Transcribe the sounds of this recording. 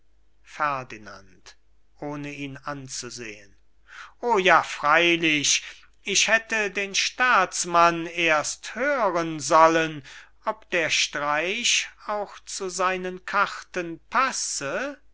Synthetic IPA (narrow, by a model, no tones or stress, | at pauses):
fɛɐdina̰nt | ʔoːnəiːnant͡suzḛːən | ʔoːjaːfʁ̥aɪlɪʃ | ɪʃhɛtədeːnʃtaːtt͡smaneːɐsthøːʁənzɔlən | ɔp̚d̪̥eːɐʃtʁaɪʃaʊxt͡suzaɪnənkʰaχtənpʰasə